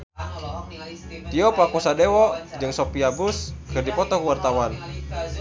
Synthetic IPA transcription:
t̪iɔpakusadewɔd͡ʒɨŋsopiabuskɨrdipɔt̪ɔkuwart̪awan

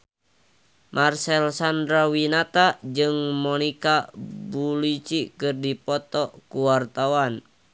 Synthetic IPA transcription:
mʔarsɛlsandɾawinat̪ad͡ʒɨŋmɔnikabulit͡ʃikɨrdipɔt̪ɔkuwart̪awan

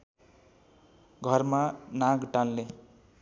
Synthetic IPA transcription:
ɡʱʌrmanaɡʈanle

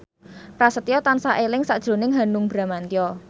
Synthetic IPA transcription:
pɾasət̪iɔt̪ansaʔelɪŋsaʔd̥ʒ̥ɾo̤nɪŋɦanʊŋb̥ɾa̤mant̪iɔ

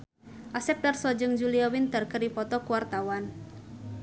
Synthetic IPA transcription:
ʔasɛp̚darsɔd͡ʒəŋd͡ʒuliawɪnt̪ərkəripɔt̪ɔkuwart̪awan

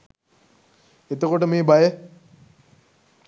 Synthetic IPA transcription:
et̪əkoʈəmeːbajə

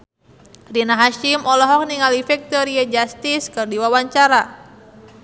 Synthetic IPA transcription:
rinaɦaʃimɔlɔɦɔk̚niŋalifɛk̚t̪oɾiad͡ʒast̪ɪskɨrdiwawaɲt͡ʃaɾa

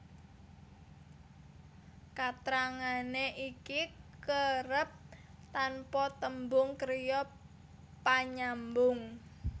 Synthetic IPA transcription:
kat̪ɾaŋaneʔikikəɾəp̚t̪anpɔt̪əmbʊŋkəɾjɔ | paɲambʊŋ

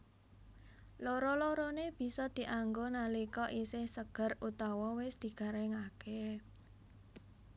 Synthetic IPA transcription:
loɾɔloɾoneb̥i̤sɔd̪̥i̤ʔaŋɡonalikɔʔisɪhsəɡ̥ə̤rut̪ɔwɔwɪsd̪̥i̤ɡ̥a̤ɾɛŋake

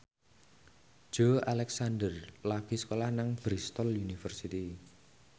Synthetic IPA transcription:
ʒ̥oalɛksandərlaɡ̥i̤sə̥kolahnaŋb̥ɾist̪ɔljunifərsit̪i

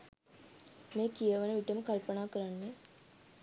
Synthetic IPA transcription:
meːkijəʋənəʋiʈəməkalpənaːkəɾanːe

